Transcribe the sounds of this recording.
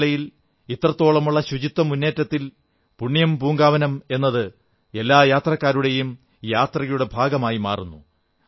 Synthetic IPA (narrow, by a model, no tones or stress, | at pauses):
ɭɐjil | it̪rɐt̪ːo̞ːɭɐmuɭːɐɕut͡ɕit̪ːɐmunːe̞ːtːɐt̪ːil | puɳːijɐmpuːŋɡaːʋɐnɐme̞nːɐðɨ | e̞lːaːjaːt̪rɐkːaːɾuɽe̞jum | jaːt̪rɐjuɽe̞bʱaːɡɐmaːjima̰ːrunːu